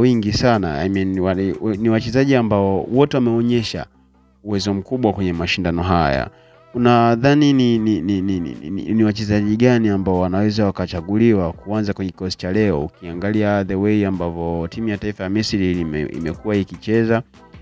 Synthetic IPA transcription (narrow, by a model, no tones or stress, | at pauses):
wiŋɡisanaa̰minwaniwat͡ʃɛzaʄiambaɔwɔtɛwamɛɔɲɛʃa̰ | uwɛzɔm̩kuɓwakwɛɲɛmaʃindanɔɦaja̰ | unaðanininininḭḭniwat͡ʃɛzaʄiɠaniambaɔwanawɛzawakat͡ʃaɠuliwakuanzakwɛɲɛki̥kɔsi̥t͡ʃalɛɔṵkiaŋɡaliaðɛwɛiambavɔtimujataifajamisiɾimɛḭmɛkuwaikit͡ʃɛza